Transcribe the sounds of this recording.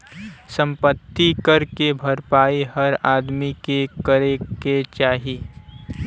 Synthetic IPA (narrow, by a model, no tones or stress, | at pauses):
sə̃mpət̪ːikɐɾkebʱɐɾpaːiɦəɾaːd̪mikekəɾeket͡ʃaːɦiː